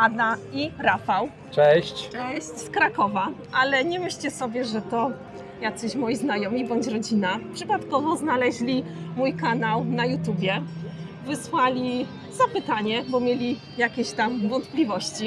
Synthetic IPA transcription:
ad̪aiɾafaw | t͡ʂɛɕt͡ɕt͡ʂɛɕt͡ɕskɾakɔvaʔalɛɲɛmɘɕt͡ɕɛsɔbʲjɛʐɛt̪ɔ | jat̪sɘɕmɔjiznajɔmʲibɔɲt͡ɕɾɔd͡ʑinapʂɘpat̪kɔvɔznalɛʑlʲimujkanawnajut̪jubʲjɛ | vɘswalʲi | zapɘt̪aɲɛbɔmʲjelʲi | jakʲeɕt̪amvɔnt̪plʲivɔɕt͡ɕi

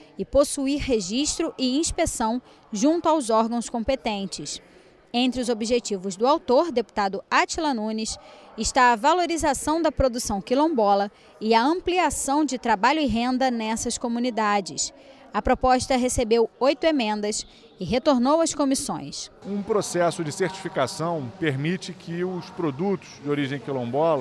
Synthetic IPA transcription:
ɪposuiɾɦeʒiʃt̪ɾʊʔɪĩspesɐ̃w̃ | ʒũnt̪ʊawzɔɾɡɐ̃w̃skõmpet̪ẽnt͡ʃɪs | ẽnt̪ɾɪʊzobiʒet͡ʃivʊzd̪ʊawt̪oɾd̪epu̥t̪ad̪ʊat͡ʃilɐnũnisɪʃt̪aɐvaloɾizasɐ̃w̃d̪ɐpɾod̪usɐ̃w̃kilõbɔlɐ | ɪɐɐ̃mpliasɐ̃w̃d͡ʒɪt̪ɾabaʎʊɪɦẽnd̪ɐnɛsɐskomunid̪ad͡ʒɪs | ɐpɾopɔʃt̪ɐɦesebewojt̪ʊemẽnd̪ɐs | ɪɦet̪oɾnowɐskomisõ̰j̃sũpɾosɛsʊd͡ʒɪseɾt͡ʃi̥fikasɐ̃w̃peɾmit͡ʃɪkʰɪʊspɾod̪ut̪ʊ̥z̥d͡ʒɪoɾiʒẽj̃kilõbɔlɐ

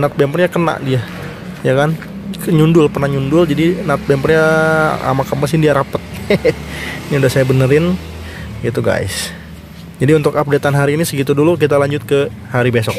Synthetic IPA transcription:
nat̪̚bɛmpərɲakəna̰ʔdia | jakan | ɲundʊlpərnahɲundʊld͡ʒadinat̪̚bɛmpərɲaa̰makamasɪndiaɾapət̪̚ | niudahsajabənəɾɪn | ɡit̪uɡa̰ɪ̰s | d͡ʒadiunt̪ʊkap̚det̪anɦaɾiːnisəɡit̪udulukit̪alaɲd͡ʒʊt̪̚kə | haɾibesɔk̚

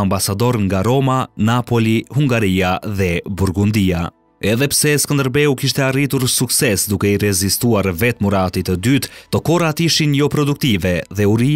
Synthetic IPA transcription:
ambasad̪ɔɾəŋɡaɾɔmanapɔlihuŋɡaɾiaðɛbuɾɡund̪ia | ɛðɛpsɛskɔnd̪əɾbɛukiʃt̪ɛarit̪uɾsuksɛsd̪ukɛiɾɛzist̪uaɾvɛt̪muɾat̪it̪əd̪yt̪t̪ɔkɔɾat̪iʃinjɔpɾɔd̪uk̚t̪ivɛðɛuɾi

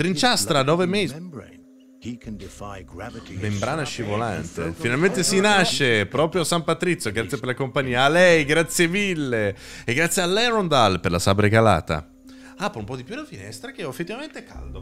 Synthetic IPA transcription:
t̪ɾint͡ʃast̪ɾanɔːveme | bembɾaːnaʃivola̰nt̪ḛfinalment̪esinaʃːepɾɔːpɾjoasampat̪ɾit̪sːjoɡɾat̪sːjepeɾlakompaɲːiːaːlɛjɡɾat̪sːjevilːeeɡɾat̪sːjealːɛɾond̪alperlasabɾeɡala̰ːt̪a̰ | apːɾoumpɔd̪ipjudafinɛ̰st̪ɾak̟eofːet̪ːivament̪eka̰ld̪o

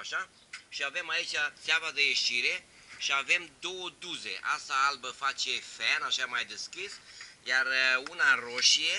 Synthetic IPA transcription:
aʃa | ʃiave̞mait͡ʃat̪seavad̪eje̞ʃiɾe̞ | ʃiave̞md̪o̞wəd̪uze̞̰ʔasaalbəfat͡ʃe̞fenaʃamajd̪eskisjarunaroʃie̞

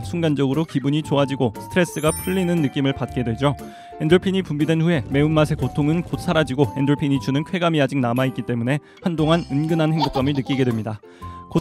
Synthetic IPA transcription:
sʰuŋɡand͡ʑʌɡɯɾokibuɲit͡ɕoad͡ʑiɡosʰɯ̥tʰɯɾe̞s͈ɯɡapʰɯʎːinɯnːɯk͈imɯɭpat̚k͈e̞dwe̞d͡ʑo | endoɭpʰiɲipumbidwe̞nɸue̞me̞umːasʰe̞kotʰoŋɯnkot̚sʰaɾad͡ʑiɡoendoɭpʰiɲit͡ɕʰunɯnkʰwe̞ɡamiad͡ʑiŋnamait̚k͈it͈e̞mune̞ | handoŋanɯnɡɯnɦanhe̞ŋbok͈amiɭnɯk͈iɡe̞dwe̞mɲida | ko

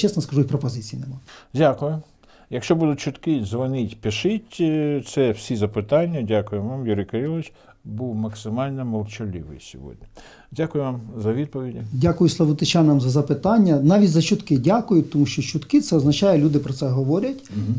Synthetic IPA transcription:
t͡ʃɛsnɔskɐʒujʲpɾɔpɔzɪt͡sʲijinɛmɑdʲakʊjʊ | jɐkʃt͡ʃɔbud̪ʊt̚ʲt͡ʃʊt̪kɪzʋɐnɪtʲpɪʃɪtʲt̪sɛwsʲizɐpɪt̪ɑnʲːɐdʲakʊjɛʋamjuɾɪjkɔɾʲilˠʋɪt͡ʃ | buwmɐksɪmɑlʲnɛmɔlˠt͡ʃɔlʲiʋɪ̰jsʲɔ̰ʋɔ̰dʲnʲɪ | dʲakʊjʊʋamzɐʋʲid̪̚pɔʋʲidʲidʲakʊjʊslˠɐʋɔt̪ɪt͡ʃɑnɐmzɐzɐpɪt̪ɑnʲːɐnɑʋʲitʲzɐt͡ʃʊt̪kɪdʲakʊjʊt̪ɔmuʃt͡ʃɔt͡ʃʊt̪kɪt̪sɛɔznɐt͡ʃɑjɛlʲud̪ɪpɾɔsɛɦɔʋɔɾʲɐtʲ

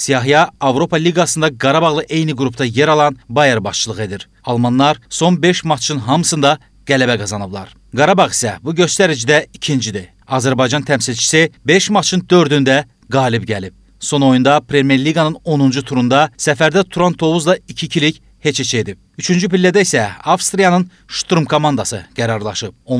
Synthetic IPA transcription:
sijɑɦijɑɑvɾo̞pʰɑlʲiɡɑsɯnd̪ɑɡɑɾɑbɑʁlˠɯʔe̞jniɡɾupʰt̪ɑje̞ɾɑlˠɑnbɑjæɾbɑʃt͡ʃɯlˠɯɣe̞d̪iɾ | ɑlˠmɑnlˠɑɾso̞nbe̞ʃmɑt͡ʃʰɯnɦɑmɯsɯnd̪ɑ | ɡ̥ælæbæɡɑzɑnɯblˠɑ̰ɾ | ɡɑɾɑbɑʁi̥sæ̰buɟø̞st̪æɾid͡ʒid̪æicʰind͡ʒid̪i | ɑzæɾbɑjd͡ʒɑnt̪ʰæmsilʲt͡ʃʰi̥sibe̞ʃmɑt͡ʃʰɯnd̪ø̞ɾd̪ynd̪æ | ɡɑːlibɟælip̚ | so̞no̞jund̪ɑpʰɾe̞mje̞ɾliɡɑnɯno̞nund͡ʒut̪ʰuɾund̪ɑsæfæɾd̪æt̪ʰuɾɑnt̪ʰo̞vuzlˠɑicʰicʰilic | he̞t͡ʃet͡ʃʰed̪ip̚ | yt͡ʃʰynd͡ʒypilʲːæd̪æisæɑfst̪ɾijɑnɯn | ʃt̪ɾumkʰo̞mɑnd̪ɑsɯɡ̥æɾɑɾlˠɑʃɯp̚o

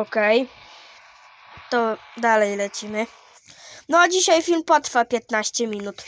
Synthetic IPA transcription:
ɔkɛj | t̪ɔd̪alɛjlɛt͡ɕimɘ | nɔd͡ʑiɕajfʲilmpɔt̪ɾfapʲjɛt̪naɕt͡ɕɛmʲinut̪

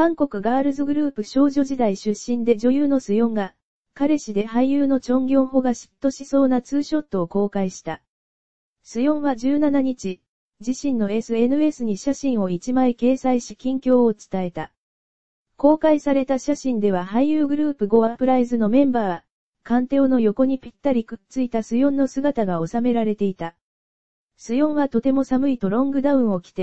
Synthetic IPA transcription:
kãŋko̞kɯ̟ɡaːɾɯ̟zɨɡɯ̟ɾɯ̟ːpɯ̟ɕo̞ːʑo̞ʑid̪aiɕɨɕːĩnd̪e̞d͡ʑo̞jɯːno̞sɨjõ̞ŋɡa | kaɾe̞ɕid̪e̞haijɯːno̞t͡ɕõ̞ŋɡʲo̞ːɦo̞ɡaɕi̥t̪ːo̞ɕiso̞ːnat͡sɨːɕo̞t̪ːo̞ːko̞ːkaiɕi̥t̪a | sɨjõ̞ɰ̃βad͡ʑɨːnanaɲ̟it͡ɕi | d͡ʑiɕĩnːo̞e̞sɨe̞nɯ̟e̞sɨɲ̟iɕaɕĩɰ̃o̞it͡ɕimaike̞ːsaiɕi̥kʲĩŋkʲo̞ːt͡sɨ̥t̪ae̞t̪a | ko̞ːkaisaɾe̞t̪aɕaɕĩnd̪e̞βahaijɯːɡɯ̟ɾɯ̟ːpɯ̟ɡo̞apɯ̟ɾaizɨno̞mẽ̞mbaː | kãnt̪o̞ːno̞jo̞ko̞ɲ̟ipʲi̥t̪ːaɾʲikɯ̟t͡sɨit̪asɨjõ̞nːo̞sɨɡat̪aɡao̞same̞ɾaɾe̞t̪e̞it̪a | sɨjõ̞ɰ̃βat̪o̞t̪e̞mo̞samɯ̟it̪o̞ɾõ̞ŋɡɯ̟d̪aɯ̟̃ɰ̃o̞kʲi̥t̪e̞

